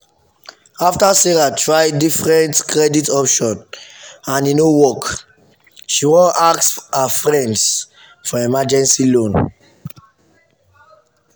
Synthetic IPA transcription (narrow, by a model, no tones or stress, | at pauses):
aftasɛɹatɹaɪdifɹɛ̃ntkɹɛditɔpʃɔ̃nãninowɔk | ʃiwɔ̃nʔaksafɹɛ̃nds | fɔɛmad͡ʒɛ̃nsilõn